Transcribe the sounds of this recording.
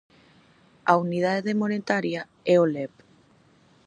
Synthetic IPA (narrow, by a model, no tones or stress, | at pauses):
aunið̞aðeðemonet̪aɾja | ɛolɛp